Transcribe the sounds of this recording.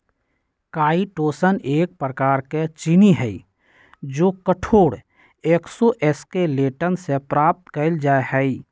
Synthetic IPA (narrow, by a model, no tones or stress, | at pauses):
kaːiʈoːsəneːk̚pɾəkaːɾket͡ʃɪniɦɛi | d͡ʒoːkəʈʰoːɽ | eːksoʔɛskeleːʈənsepɾaːp̚t̪kəld͡ʒaːehɛi